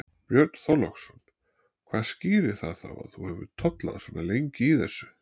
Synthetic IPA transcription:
pjœɾt̪n̥θɔlɔxsɔnː | kʰvaːðsciːɾɪ̥θaðθa̰wa̰ðθuhɛvʏ̰ɾt̪ʰɔt̪la̰ðsɛnːalejɲcɪiθɛsːʏ̥

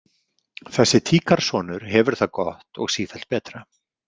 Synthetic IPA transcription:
θɛsːɪt̪ʰiːkaɾ̥sɔːnʏɾ̥ɦɛvʏɾ̥θaðkɔht̪ɔ̰ɣsiːθɛl̥t̪̚pɛːt̪ɾa

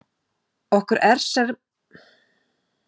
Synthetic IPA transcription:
ɔhkʏɾɛɾ̥sɛɣ

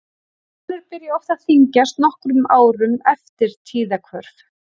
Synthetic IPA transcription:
lɛɾpɪɾjaɔft̪aðθiɲcast̪nɔhkɾʏmaːwɾʏmɛft̪ɪɾ̥t̪ʰiːðakʰvœɾf

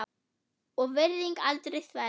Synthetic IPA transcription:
ɔɣvɪɾðiŋkalt̪ɾejθva

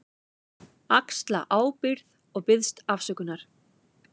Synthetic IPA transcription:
akst̪la̰ʔaːwpɪɾð | ɔɣpɪðst̪afsœkʏnːaɾ̥

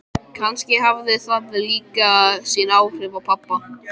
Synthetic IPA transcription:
kʰanscɪhavðɪθaðɪliːkasjɛnaːwr̥ɪvapʰapːa

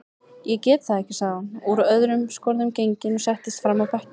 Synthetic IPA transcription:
jɛcɛːt̪θaɛhcɪsaɣuɾœðɾʏmskɔɾðʏmcejɲcɪnɔsɛht̪ɪst̪fɾamawpɛhcɪ

